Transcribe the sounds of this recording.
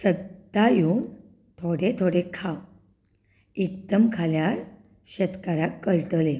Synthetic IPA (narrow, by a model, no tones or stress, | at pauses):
səd̪ajun | t̪ʰoɽet̪ʰoɽekʰaw | ek̚d̪əmkʰaljaɾ | ɕet̪kaɾakːəɭʈəle